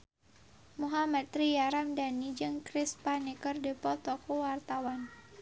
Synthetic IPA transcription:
muɦamat̪ɾijaɾamdanid͡ʒɨŋkɾɪspanikərdipɔt̪ɔkuwart̪awan

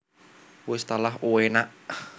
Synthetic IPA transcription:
wɪst̪alaɦuwenaʔ

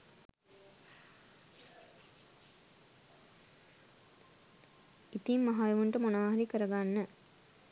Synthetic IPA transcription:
it̪ijmːɐɦaːjɐʋuɳʈɐmunaːɦɐɾikɐɾɐɡaːnːɐ

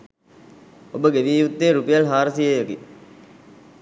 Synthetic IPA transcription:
obəɡeʋiːjut̪ːeːɾupejɐlɦaːɾəsijejɐɡi

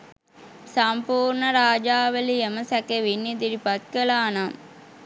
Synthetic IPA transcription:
sɐmpuːɾɳɐɾaːd͡ʒaːʋɐlijɐmɐsɐkɐʋinːid̪iɾipɐt̪̚kɐlaːnaːm

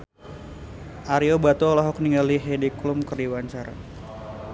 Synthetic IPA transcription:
ʔaɾiobat̪uɔlɔɦɔkniŋɡaliɦediklʊmkərdiwaɲt͡ʃaɾa

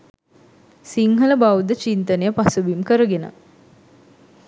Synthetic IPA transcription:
siŋɦələbawd̪ət͡ʃint̪ənejəpasuʋimkəɾəɡenə̰

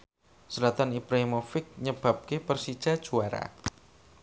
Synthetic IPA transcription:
səlat̪anipɾamofɪk̚ɲəb̥a̤p̚kepərsid̥ʒ̥a̤d̥ʒ̥uaɾa̰

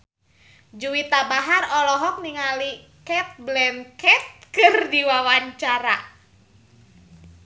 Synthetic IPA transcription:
d͡ʒuwit̪abaɦarɔlɔɦɔk̚niŋali | kɛt̪̚blɛmkɛt̪̚kɨrdiwawaɲt͡ʃaɾa̰

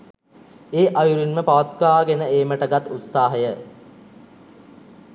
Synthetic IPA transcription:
eːʔajuɾinməpaʋat̪kaʋaːɡenəeːməʈəɡat̪ːut̪saːɦəjə

